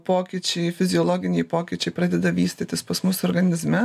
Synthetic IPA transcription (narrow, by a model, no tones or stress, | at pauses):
poːkʲiːt͡ʃʲɛɪfʲɪzʲɪoːlˠoːɡʲɪnʲɛɪpoːkʲiːt͡ʃʲɛɪpɾɑːd̪ʲɛd̪ɐʋʲiːsʲt̪ʲet̪ʲɪspɐsmʊsɔːɾɡɐnʲɪzʲmʲɛ